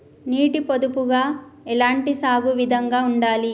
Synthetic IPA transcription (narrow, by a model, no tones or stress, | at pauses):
niːʈipod̪upuɡaːɛlaːɳʈisaːɡuʋid̪ʱɐŋɡaːuɳɖaːli